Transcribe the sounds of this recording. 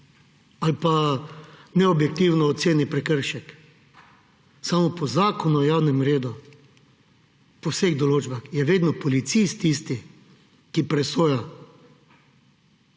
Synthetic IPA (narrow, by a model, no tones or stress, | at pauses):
alpa | nɛɔbjɛk̚t̪iwnɔːt̪seːnipɾɛkəɾʃɛk | samɔpɔzaːkɔnɔjawnɛmɾeːd̪u | pɔwseɣd̪ɔloːd͡ʒbaxjɛʋeːd̪nɔpɔlit̪sist̪iːst̪i | kipɾɛsoːja